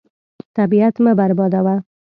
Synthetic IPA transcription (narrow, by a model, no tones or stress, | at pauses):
t̪abiat̪məbaɾbɑd̪awa